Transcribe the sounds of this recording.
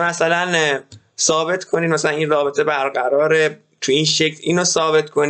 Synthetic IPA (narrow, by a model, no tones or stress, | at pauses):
mæsælæn | sɒːbe̞t̪ʰkʰoniːd̪mæsælænʔinrɒːbe̞t̪ʰebæɾɢæɾɒːɾe | t̪ʰuinʃecʰliːnosɒːbe̞t̪kʰon